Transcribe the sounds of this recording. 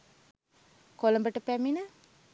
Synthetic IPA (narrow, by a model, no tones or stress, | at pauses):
koləmbəʈəpæminə